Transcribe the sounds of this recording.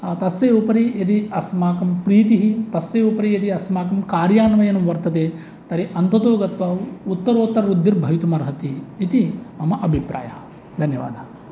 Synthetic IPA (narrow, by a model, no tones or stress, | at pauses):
t̪ɐsjeːupɐɾijɐd̪iɐsmaːkɐmpɾiːt̪iɦit̪ɐsjeːupɐɾijɐd̪iɐsmaːkɐmkaːɾjaːnʋɐjɐnɐmʋɐɾt̪ɐt̪eː | t̪ɐɾiʔɐnt̪ɐt̪oːɡɐt̪ʋɐut̪ːɐɾoːt̪ːɐɾɐɾud̪ʱːiɾbʱɐjit̪umɐɾɦɐt̪iːt̪imɐmɐʔɐbʱipɾa̰ːjɐɐ | d̪ʱɐnjɐʋa̰ːd̪ʱɐ